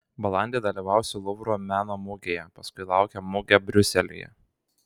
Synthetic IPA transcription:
bɐlˠɑˑnʲd̪ʲeːd̪ɐlʲiʋɑˑʊsʲɪlˠʊʋɾoːmʲæːnoːmʊɡʲejɛpɐskʊɪlˠɑˑʊkʲɛmʊɡʲɛbʲɾʲʊsʲɛlʲɪ̰jɛ̰

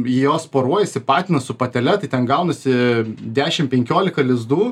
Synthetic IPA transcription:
ɪjoːspoːɾuɔjɛsʲɪpɑːt̪ʲɪnɐsʊpɐt̪ʲɛlʲɛt̪ɐɪt̪ʲɛnɡɐʊnɐsʲɪd̪ʲæːʃʲɪmpʲɛŋʲkʲoːlʲɪkɐlʲɪzd̪uː

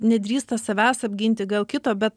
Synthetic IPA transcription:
nʲɛd̪ʲɾʲiːst̪ɐsɐʋʲæːsɐbʲɡʲɪnʲt̪ʲɪɡɐlˠkʲɪt̪oːbʲɛt̪

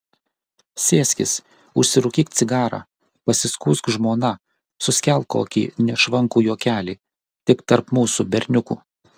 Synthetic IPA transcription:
sʲeːsʲkʲɪ̰s | ʊʃʲsʲɪɾʊkʲiːkt̪sʲɪɡɑːɾɑ̰ | pɐsʲɪskuːskʒmoːnɐ | sʊsʲkʲɛlˠko̰ːkʲḭːnʲɛʃʋɐŋkuːjoːkʲæːlʲiː | t̪ʲɪkt̪ɐɾpmuːsubʲɛɾʲnʲʊkṵː

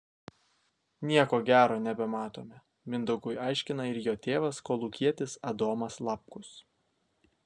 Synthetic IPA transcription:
nʲiɛkoːɡʲæːɾoːnʲɛbʲɛmɑːt̪oːmʲɛ | mʲɪnd̪ʊɡʊjɑɪʃʲkʲɪnɐɪɾjoːt̪ʲeːʋɐskoːlˠukʲiɛt̪ʲɪsɐd̪oːmɐslˠɑp̚kʊs

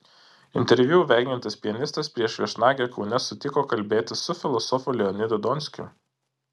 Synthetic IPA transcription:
ɪnʲt̪ʲɛɾʲʋʲuʊʋʲæˑɪɡʲɪnʲt̪ʲɐspʲiɛnʲɪst̪ɐspʲɾʲiɛʃʋʲiɛʃnɑːɡʲɛkɒʊnʲɛsʊt̪ʲɪkoːkɐlʲbʲeːt̪ʲɪsʊfʲɪlˠɔsɔfuːlʲɛɔnʲɪd̪ʊd̪ɔnʲsʲkʲʊ̰

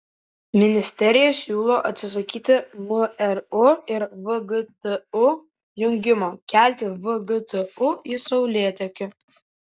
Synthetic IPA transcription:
mʲɪnʲɪsʲt̪ʲɛɾʲɪjɛsʲuːlˠoʔɐt̪ʲsʲɪs̬ɐkʲiːt̪ʲɪmʊɛrʊɪɾvɨɡɨt̪ɨʊ | jʊŋʲɡʲɪmoːkʲælʲt̪ʲɪvɨɡɨt̪ʰɨʊisɔʊlʲeːt̪ʲɛkʲɪ

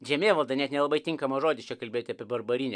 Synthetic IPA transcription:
ʒʲɛmʲeːʋɐlˠd̪ɐnʲɛt̪nʲɛlˠɐbɐɪt̪ʲɪŋkɐmɐːʒoːd̪ʲɪt͡ʃʲɛkɐlʲbʲeːjoːt̪ʲɐpʲeɛbɐɾbɐɾʲinʲɛ

